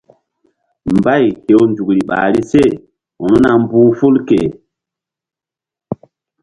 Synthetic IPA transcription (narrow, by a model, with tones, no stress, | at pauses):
m˨ba˦˨jke˨wnd͡ʒu˨kɾi˨ɓa̰ː˨ɾi˦se˦˨ | u˨nu˦na˨m˦buː˦fu˦lkḛ˨